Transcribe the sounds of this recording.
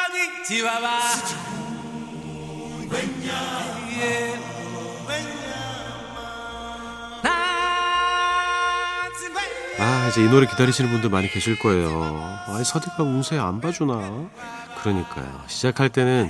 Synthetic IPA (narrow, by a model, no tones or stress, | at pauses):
it͡ɕibaba | aid͡ʑe̞inoɾekidaɾiɕʰinɯnbundɯɭmaɲikʰeɕʰiɭk͈ʌe̞joaisʰadekʰaunsʰea̰nbad͡ʑuna | kɯɾʌɲik͈a̰jo̰ɕʰid͡ʑakʰaɭt͈e̞nɯn